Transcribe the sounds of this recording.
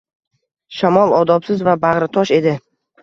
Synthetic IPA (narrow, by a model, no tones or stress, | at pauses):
ʃamɒlˠɒd̪ɒpsɪzvabaʁɾɪt̪ʰɒʃe̞d̪ɪ